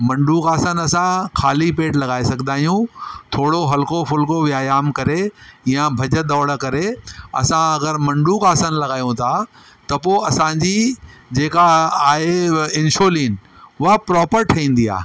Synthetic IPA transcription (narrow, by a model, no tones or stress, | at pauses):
mɐ̃ɳɖukaːsənɐsãkʰaːlipeːʈlɐɡaːesɐɡʱd̪aːɦjũt̪ʰoːɽoɦɐlkofʊlkoʋjaːjaːmkɐɾeijãbʱɐd͡ʑə̆d̪ɔːɽkɐɾeɐ̰sãɐɡəɾmɐ̃ɳɖukaːsənɪ̆lɐɡaːjũt̪ʰa | t̪ɐpoːɐsãɲd͡ʑid͡ʑeːkaaːɦeɪ̃nʃoːliːn | ʊɦapɾɔːpəɾʈʰɐĩːn̆d̪ia̰ː